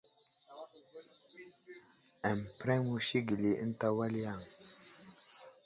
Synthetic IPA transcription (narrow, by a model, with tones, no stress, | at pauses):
ɛ˨mpɾɛ˦mu˦ʃi˦ɡə˨li˨ʔə̰˦n˦ta˦wa˦li˦ja˦˨ŋ